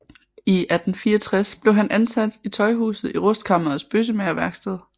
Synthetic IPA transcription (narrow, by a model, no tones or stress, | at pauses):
iʔæd̥n̩fiːɐt͡sʰʁasb̥le̝ʊɦænʔænsæd̥it͡sʰɒ̽ɪɦṵːsð̩ˠiʁɔsd̥̚kʰɑ̈mɐːsb̥øs̬əmeɐʋæɐɡ̥sd̥ɛð̰ˠ